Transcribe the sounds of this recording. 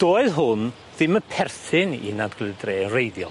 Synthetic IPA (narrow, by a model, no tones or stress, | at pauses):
d̥oːɨðɦʊn | ðɪməpʰɛrθɪnḭnadɡ̥lɪðdreːənrejðjɔ̰l